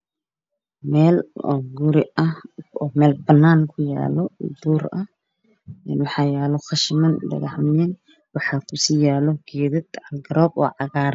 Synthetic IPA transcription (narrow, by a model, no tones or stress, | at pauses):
mɛːlɔɡʊɾɪɐɔːmɛːlbɐnːaːŋkʰʊja̰ːlɔd̪uːɾɐh | ɛnwɑħɑːjaːlɔχɑʃɪmɐnlɐ̰ɣɐhmnɛːn | wɑħɑːkʰʊsiːjaːlɔɡɛːðɐd̪ʕɑlɡɐɾɔːbɔ̰ːʕɑɣaːɾ